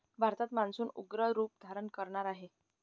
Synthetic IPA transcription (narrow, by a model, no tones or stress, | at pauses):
bʱaɾt̪at̪mansuːnuɡɾəɾuːp̚d̪ʱaɾəɳkəɾɳaɾaɦe